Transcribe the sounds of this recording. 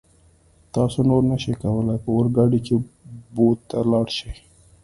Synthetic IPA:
t̪ɑsonoɾnəʃikawəlajpəwəɾɡɑɖikebod̪̚t̪alɑɽʃi

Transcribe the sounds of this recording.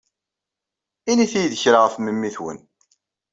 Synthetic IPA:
iniθijðəçɾaʁəfməmːiθwə̰n

